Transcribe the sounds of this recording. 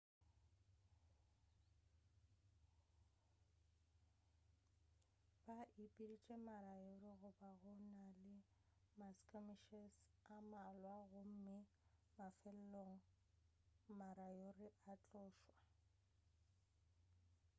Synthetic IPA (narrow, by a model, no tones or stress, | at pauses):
b̥aʔipʼilit͡ʃʼemaɾajorɪɣʊbaɣʊnalɪ | maskʼamiʃɛsamalwaɣʊm̩mɪ | mafɛl̩loŋ̩ | maɾajorɪʔat͡ɬʼɔːʃwa